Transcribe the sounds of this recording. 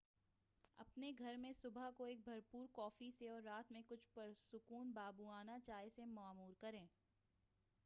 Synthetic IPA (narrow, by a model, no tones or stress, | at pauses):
ɐ̰pneɡʱɐɾmẽsʊbʱakoeːk̚bʱɐɾpuːɾkɔːfiseɔːɾːaːt̪mẽkʊt͡ʃʰpɐɾsʊkuːnbaːbuaːnat͡ʃaːɦesemaːmuːɾkɐɾẽː